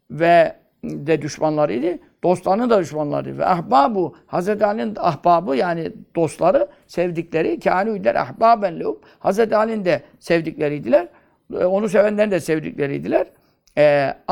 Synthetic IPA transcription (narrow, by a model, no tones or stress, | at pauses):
vɛ | d̪ɛd̪yʃmanlˠaɾɯ̰jd̪i | d̪̥o̞st̪lˠaɾɯnɯd̪ad̪yʃmanlˠa̰ɾɯ̰d̪̰vɛ̰ʔaɦbaːbuhazɾɛt̪ʰaːlʲinaɦbaːbɯjaːnid̪̥o̞st̪lˠaɾɯ | sɛvd̪iclʲeɾicʰaːniyd̪lʲæ̰ɾa̰hbaːbænlʲoup̚ | hazɾɛt̪ʰaːlʲind̪ɛ | sɛvd̪iclʲeɾijd̪ilʲæɾ | o̞nusevænlʲæɾid̪ɛsevd̪ḭkcʲlʲeɾḭjd̪ilʲæɾ | ɛ